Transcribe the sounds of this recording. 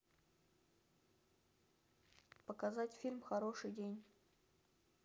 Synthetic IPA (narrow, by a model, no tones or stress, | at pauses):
pəkazatʲfʲilʲmxɐɾo̞ʂɨjdʲenʲ